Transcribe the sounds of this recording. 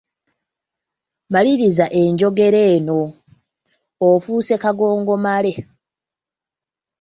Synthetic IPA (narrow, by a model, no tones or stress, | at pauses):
maliɾizaʔe̞ɲɟo̞ɡe̞ɾe̞ːno̞ | fuːse̞kaɡo̞ːŋɡo̞male̞